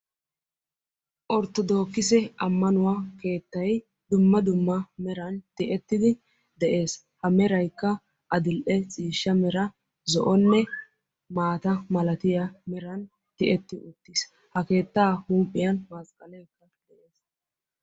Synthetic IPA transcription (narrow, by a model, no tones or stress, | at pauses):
ʔɔɾt̪ːɔd̪o̞ːkːɪsɛɐmːɐnʊwake̞ːt̪ːɐj | d̪ʊmːɐd̪ʊmːɐmɛɾɐnt̪ɪʔɛt̪ːɪd̪ɪ | d̪ɛʔe̞ːs | hɐmɛɾɐjkːɐ | ʔɐd̪ɪlʔɛt͡sʼiːʃːɐmɛɾɐ | zɔʔɔnːɛ | maːt̪ɐmɐlɐt̪ɪjɐmɛɾɐn | t̪ɪʔɛt̪ːɪʔʊt̪ːɪs | hɐke̞ːt̪ːaːhuːmpʼːɪjɐnmɐskʼɐlɛjkːɐd̪̥ɛʔe̞ːs